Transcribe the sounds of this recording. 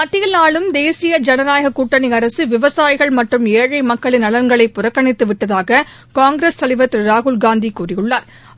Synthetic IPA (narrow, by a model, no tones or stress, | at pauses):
mɐt̪ːɪjɐlnaːɭɯmd̪eːsɪjɐd͡ʒɐnɐnaːjɐɣɐkːuːʈːɐɳɪɐɾɐsɯʋɪʋɐsaːjɪɣɐɭmɐʈrɯmeːɻɐɪmɐkːɐɭɪnɐɭɐɾŋɡɐɭɐɪpːʊrɐkːɐɳɪt̪ːɯʋɪʈːɐðaːɣɐ | kaːŋɡɾeːst̪ɐɭɪʋɐt̪ːɪɾaːɣʊlɡaːnd̪ikuːrɪjɯɭːaːɾ